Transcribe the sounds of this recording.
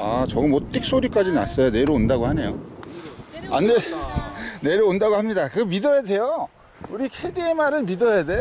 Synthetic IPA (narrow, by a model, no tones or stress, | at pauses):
at͡ɕʌɡɯmot͈ik̚s͈ʰoɾik͈ad͡ʑina̰s͈ʌjone̞ɾoondaɡohane̞jo | ane | ne̞ɾoondaɡohamɲidakɯmidʌjade̞jo | uɾikʰediemaɾɯɭmidʌjade